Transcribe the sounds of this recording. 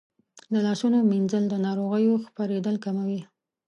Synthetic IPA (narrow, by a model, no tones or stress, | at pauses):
d̪əlɑʃunominzəld̪ənɑɾoɣəjoxpaɾed̪əlkamawi